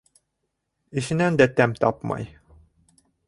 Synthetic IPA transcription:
ĭʃɘ̆nænd̪æt̪æmt̪ɑpmɑ̰j

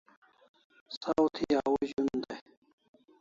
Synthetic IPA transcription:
sawt̪ʰiawuʑund̪aj

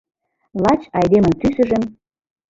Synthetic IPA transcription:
lɑt͡ɕɑjd̪emə̆nk̪ysə̆ʒə̆m

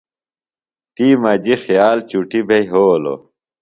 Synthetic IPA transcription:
t̪iːmɐd͡ʑixjaːlt͡ɕuʈibʱejɦoːlo̰

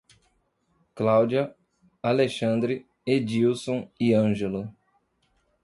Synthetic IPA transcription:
klawd͡ʒiɐ | aleʃɐ̃nd̪ɾɪ | ed͡ʒiwsõiɐ̃ʒelʊ

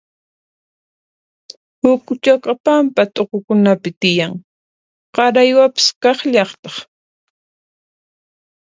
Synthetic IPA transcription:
hʊkʊt͡ʃakɑpampat̪ʼoqokʊnapɪt̪ɪjaŋ | qɑɾajwapɪ̥skɑχʎɑχt̪ɑ̥χ

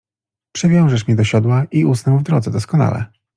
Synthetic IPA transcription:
pʂɛvʲjɔw̃ʐɛʂmʲid̪ɔɕɔd̪waʔiusnɛwvd̪ɾɔd̪zɛd̪ɔskɔna̰lɛ̰

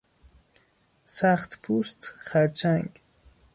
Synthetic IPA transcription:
saχt̪pʰust̪χaɾt͡ʃʰaŋɡ

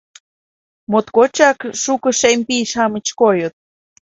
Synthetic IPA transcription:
mot̪kot͡ʃakʂukəʂempiʃamət͡ʃkojot̪̚

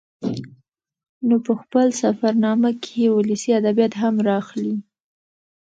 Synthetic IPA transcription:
nopəxpəlsafaɾnɑmakʰeewʊlisiad̪abjat̪ɦamɾɑxli

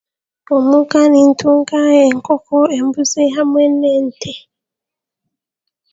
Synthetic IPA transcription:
omukanintuŋkajɛŋkɔkɔɛmbusɛɦamwɛnːɛntʰɛ

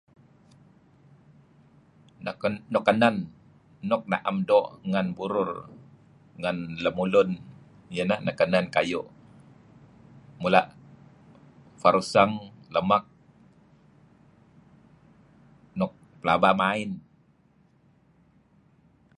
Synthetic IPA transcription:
nɔkːananː | ɔk̚na̰ʔamdɔʔŋanbuɾʊr | ŋanləmulʊn | ijənahnʔakanankajʊʔ | mulaʔ | faɾusaŋləmak̚ | nɔk̚pəla̰bamaɪn

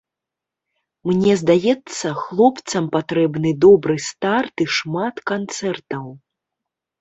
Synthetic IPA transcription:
mnʲɛzd̪ajɛt̪sːɐxlˠɔpt̪sɐmpat̪ɾɛbnɨd̪ɔbɾɨst̪art̪iʂmat̪kant̪sɛrt̪ɐw

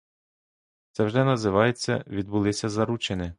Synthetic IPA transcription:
t̪sɛwʒɛnɐzɪʋɑjet͡sʲːɐ̰ʋʲid̪̚bʊlˠɪsʲɐzɐɾut͡ʃenʲɪ

